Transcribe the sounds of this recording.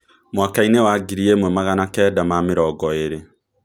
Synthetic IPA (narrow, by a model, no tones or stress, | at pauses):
mwakainewaɡiɾiemwɛmaɣanakɛːdamameɾɔɡɔeɾe